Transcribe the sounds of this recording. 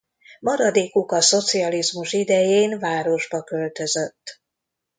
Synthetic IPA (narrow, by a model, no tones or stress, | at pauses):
mɒɾɒd̪eːkukɒso̞t̪sijɒlizmuʃid̪ɛjeːnvaːɾo̞ʒbɒkølt̪ø̞zø̞t̪ː